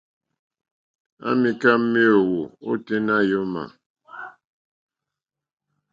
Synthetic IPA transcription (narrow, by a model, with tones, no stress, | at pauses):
a̰˦mi˦ka˦m̩˦me˦o˨wo˨o̰˦te˦na˦jo˦ma̰˨